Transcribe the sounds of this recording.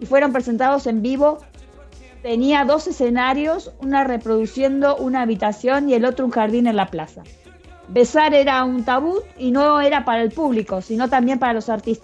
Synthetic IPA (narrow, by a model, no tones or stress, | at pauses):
ifwe̞ɾo̞mpɾese̞nt̪að̞o̞se̞mbiβo̞ | t̪e̞niaðo̞se̞se̞naɾjo̞sunare̞pɾo̞ðusje̞nd̪o̞ʔunaːβit̪asjo̞nie̞lo̞t̪ɾouŋxaɾðine̞nlaplasa | be̞saɾeɾaunt̪aβut̪̚inoeɾapaɾaelpuβliko̞sino̞t̪ambje̞mpaɾalo̞saɾt̪ist̪a